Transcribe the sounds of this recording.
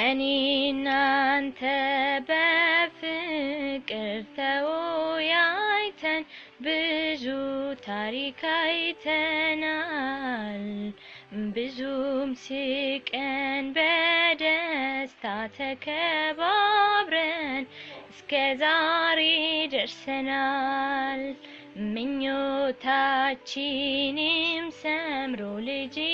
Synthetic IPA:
ʔɨninːant̪ʰəbəfɨkʼɨɾt̪ʰəwojajt̪ʰɐn | bɨzut̪ʰaɾikʰajt̪ʰəna | l | bɨzumsɨkʼənbəd̪əst̪ʰat̪ʰəkʰəβabɾənɨskʰəzaɾed̪əɾsəna | l | mɨɲːot̪ʰat͡ʃːɪnimsəmɾolɨd͡ʒi

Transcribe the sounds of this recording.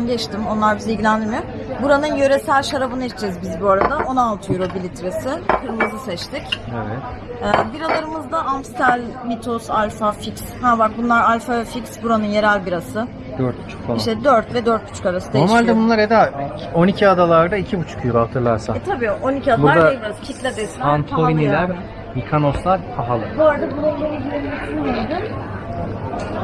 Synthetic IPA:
nɟɛt͡ʃt̪ʰimo̞nlˠaɾbizilʲɟilʲænd̪iɾmɪ | buɾanɯnjø̞ɾe̞sælʲʃaɾabɯnaiʃt͡ʃʰɛɾizbizbuaɾad̪ao̞naːlˠt̪ʰɯjoɾobilʲit̪ʰɾesɪkɯɾmɯzɯsɛt͡ʃt̪ʰɪcevɛt̪ɛːbiɾalˠaɾɯmɯzd̪aamst̪alʲmit̪ʰosalʲfafikshabak̚bunlˠaɾalʲfavɛficsbuɾanɯnje̞ɾælʲbiɾasɯ | d̪øɾt̪̚but͡ʃʰu̥kfaiʃt̪ɛd̪øɾt̪vɛd̪øɾt̪̚but͡ʃʰu̥kaɾasɯ̥d̪eoɾmalʲd̪ɛbunlˠaɾed̪aonicʰiad̪alˠaɾd̪aicʰibut͡ʃʰu̥kʰyjoɾat̪ʰɯɾlˠaɾsaɛt̪ʰabiːonicʰiad̪buɾad̪aeiɾazcʰit̪lʲɛd̪esant̪ʰojnilʲæɾ | mikʰanoslˠaɾpʰaɦalˠɯbuaɾad̪abulˠalˠajiɡilenmisinmied̪ɯ

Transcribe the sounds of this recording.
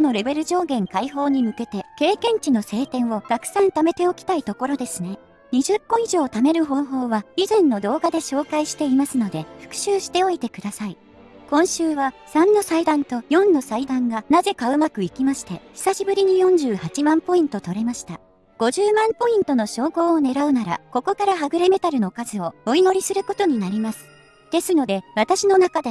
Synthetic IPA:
ono̞ɾe̞be̞ɾɯ̟ʑo̞ːɡẽ̞ŋkaiɦo̞ːɲ̟imɯ̟ke̞t̪e̞ke̞ːkẽ̞ɲ̟t͡ɕino̞se̞ːt̪ẽ̞ɰ̃o̞ɡ̥̪akɯ̟̥sãnt̪ame̞t̪e̞okʲi̥t̪ait̪o̞ko̞ɾo̞d̪e̞sɨne̞ | ɲ̟iʑɨkːo̞iʑo̞ːt̪ame̞ɾɯ̟ɦo̞ːɦo̞ːβaizẽ̞nːo̞d̪o̞ːɡad̪e̞ɕo̞ːkaiɕi̥t̪e̞imasɨno̞d̪e̞ɸɯ̥kɯ̟̥ɕɨːɕi̥t̪e̞o̞it̪e̞kɯ̟d̪asai | kõ̞ɰ̃ɕɨːβasãnːo̞said̪ãnt̪o̞jõ̞nːo̞said̪ãŋɡanaze̞kaɯ̟makɯ̟ikʲimaɕi̥t̪e̞çi̥saɕibɯ̟ɾʲiɲ̟ijõ̞ɲ̟d͡ʑɨːhat͡ɕimãmpo̞ĩnt̪o̞t̪o̞ɾe̞maɕi̥t̪a | ɡ̥o̞ʑɨːmãmpo̞ĩnt̪o̞no̞ɕo̞ːɡo̞ːne̞ɾaɯ̟naɾa̰ko̞ko̞kaɾaɦaɡɯ̟ɾeme̞t̪aɾɯ̟no̞kazɨo̞oino̞ɾʲisɨɾɯ̟ko̞t̪o̞ɲ̟inaɾʲimasɨ̥ | d̪̥e̞sɨno̞d̪e̞βat̪aɕino̞nakad̪e

